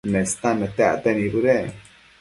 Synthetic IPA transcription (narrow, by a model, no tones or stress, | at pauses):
nest̪anet̪a̰t̪enibud̪e